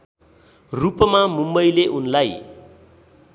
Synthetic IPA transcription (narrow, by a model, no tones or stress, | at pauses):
rupmamumbʌjleʔunlaj